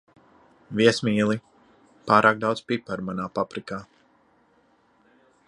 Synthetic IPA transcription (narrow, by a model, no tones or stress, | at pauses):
viɛsmiːlˠi | paːɾʔaːk̚d̪awt̪spʲipaɾmanaːpapɾikaː